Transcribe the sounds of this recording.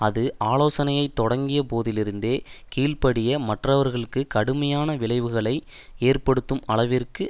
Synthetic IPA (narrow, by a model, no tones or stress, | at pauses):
ɐðɯʔaːloːsɐnɐjɐɪt̪ːɔɽɐŋɡɪjɐpoːðɪlɪɾɯnd̪eːkiːɭpɐɽɪjɐmɐʈrɐʋɐɾɣɐɭɯkːɯkɐɽɯmɐjaːnɐʋɪɭɐɪʋɯɣɐɭɐɪ | eːrpɐɽɯt̪ːɯmɐɭɐʋɪrkɯ